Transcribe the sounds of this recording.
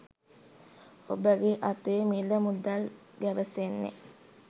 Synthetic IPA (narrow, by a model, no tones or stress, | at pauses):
obəɡeʔat̪eːmiləmud̪al | ɡjæʋəsenːḛ